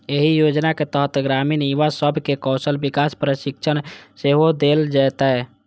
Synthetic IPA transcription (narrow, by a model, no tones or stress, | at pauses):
eɦijod͡ʒnaket̪əɦt̪əɡɾaminiʋasəbʱkekɔsəlbikaspɾəʃikt͡ʃʰənseɦod̪eld͡ʒajt̪ɛ